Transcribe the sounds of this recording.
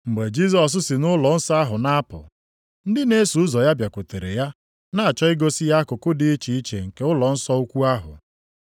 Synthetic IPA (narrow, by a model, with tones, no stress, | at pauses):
ŋ͡m̩˨ɡ͡be˨d͡ʒi˦zɔ˨s̬ʊ˦sɪ˨nʊ˦lɔ˨n̩˦sa˦ɦʊ˨na˦a˦pʊ̰˨ | n̩˦dɪ˦ne˦su˨˦zɔ˨ja˦bja˨kʊ˨te˨ɾḛ˨ja˦ | na˦˨a˨t͡ʃɔ˦ɪ˦ɡo˦sɪ˦ja˦kʊ˨kʊ˦dɪ˨˦i˦t͡ʃi˨i˦t͡ʃḛ˨ŋ̩˨ke˨ʊ˦lɔ˨n̩˦sɔ˦u˦kʷu˦a˦ɦʊ̰˨